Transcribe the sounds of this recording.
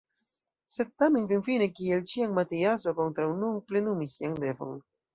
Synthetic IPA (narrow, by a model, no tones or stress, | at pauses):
sed̪̚t̪ːamenfinfinekielt͡ʃiaŋmat̪ejasokont̪ɾawnuŋplenumisiaŋd̪evo̰ŋ